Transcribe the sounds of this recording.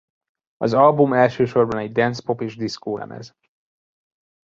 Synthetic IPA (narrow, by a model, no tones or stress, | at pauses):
ɒzɒlbumɛlʃøːʃo̞rbɒnɛɟd̪ɛnspo̞peːʒd̪iskoːlɛ̰mʔɛ̰z